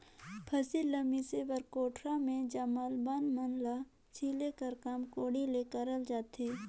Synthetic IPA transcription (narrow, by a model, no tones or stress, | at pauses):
pʰəsiləmiseʋəɾkoːʈʰɾamẽd͡ʒəməlbanmənla | t͡ʃʰiːlekəɾkaːmkoːɽileːkəɾəld͡ʒaːt̪eː